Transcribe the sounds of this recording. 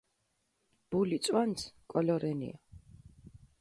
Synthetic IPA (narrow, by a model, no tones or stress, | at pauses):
b̥ulit̪sʼwansʰkʼɔlɔɾɛnḭa